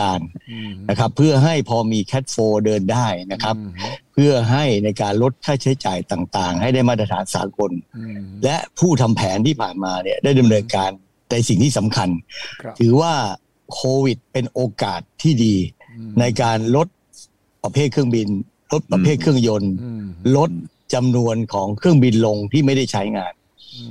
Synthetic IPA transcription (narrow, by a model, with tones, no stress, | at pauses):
aː˧nna˦˥kʰa˦˥pʰːɯ˥˩ɐɦa˥˩jpʰɔː˧miː˧kʰɛ˦˥t̪̚foː˧dɤː˧ndaː˥˩jna˦˥kʰa˦˥p̚ʰː | ɯ˥˩ɐɦa˥˩jna˧jkaː˧nɾo˦˥t̪̚kʰaː˥˩t͡ɕʰa˦˥jt͡ɕaː˨˩jt̪aː˨˩ŋt̪aː˨˩ŋɦa˥˩jda˥˩jmaː˥˩ɾa˧t̪ʰaː˩˦nsa̰ː˩˦ko˧nlɛ˦˥ʔpʰuː˥˩t̪ʰa˧mpʰɛː˩˦nt̪ʰiː˥˩pʰaː˨˩nmaː˧ni˥˩daː˥˩jda˧mnɤː˧nkaː˧n | t̪ɛ˨˩si˨˩ŋt̪ʰiː˥˩sa˩˦mkʰa˧nt̪ʰɯː˩˦waː˥˩ | kʰoː˧wi˨˩t̪̚pe˧nʔoː˧kaː˨˩t̪ʰːiː˥˩diː˧ | na˧jkaː˧nlo˦˥t̪̚ | pa˧pʰeː˥˩t̪̚kʰɯ˥˩əŋbi˧n | lo˦˥t̪̚pɾa˧pʰeː˥˩t̪̚kʰɯ˥˩əŋjo˧nlo˦˥t̪̚ | t͡ɕa˧mnu˧ənkʰɔː˩˦ŋkʰɯ˥˩əŋbi˧nlo˧ŋt̪ʰiː˥˩ma˥˩jda˥˩jt͡ɕʰa˦˥jŋaː˧n